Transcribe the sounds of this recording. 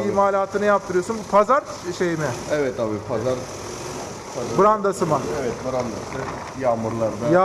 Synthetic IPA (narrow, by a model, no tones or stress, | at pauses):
iimaːlʲaːt̪ʰɯnɯjapt̪ʰɯɾɯjo̞sunbupʰazaɾʃejimɛɛvɛt̪ʰːabiːpʰazaɾ | pʰabɯɾand̪asɯmaɛvɛt̪̚bɯɾand̪asɯ | jaːmɯɾlˠaɾd̪aja